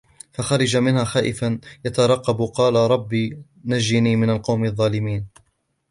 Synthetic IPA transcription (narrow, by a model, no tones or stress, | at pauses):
faxɑɾˤɑd͡ʒamɪnhaːxaːʔɪfanjat̪ɑɾˤɑqːɑbqɑːlaɾˤɑbːiː | nad͡ʒːɪniːmɪnalqɑwmɪðˤːɑːlɪmiːn